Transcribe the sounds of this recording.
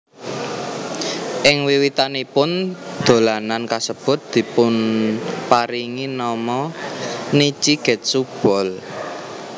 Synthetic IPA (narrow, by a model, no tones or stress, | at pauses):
ʔɪŋwiwit̪anipʊnd̪̥o̤lanankasəb̥ʊ̤t̪̚d̪̥i̤pʊnpaɾiŋinɔmɔ | nit͡ʃiɡ̥ɛ̤t̪̚sub̥ɔ̤l